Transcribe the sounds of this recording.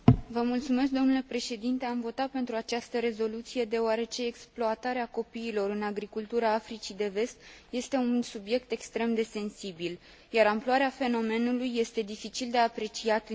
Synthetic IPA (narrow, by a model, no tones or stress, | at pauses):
vəmult̪sume̞s̬k̚d̪o̞nule̞pɾe̞ʃe̞d̪int̪e̞amvo̞t̪at̪̚pe̞nt̪ɾuat͡ʃast̪əɾe̞zo̞lut̪sije̞d̪e̞oaɾe̞t͡ʃe̞ːksploat̪aɾeako̞piːlo̞ɾɨnaɡɾikult̪uɾaafɾit͡ʃid̪e̞ve̞st̪je̞st̪e̞unsubje̞kt̪e̞kst̪ɾe̞md̪e̞se̞nsibil | jaɾamploaɾeafe̞no̞me̞nulujːe̞st̪e̞d̪ifit͡ʃild̪e̞apɾe̞t͡ʃiat̪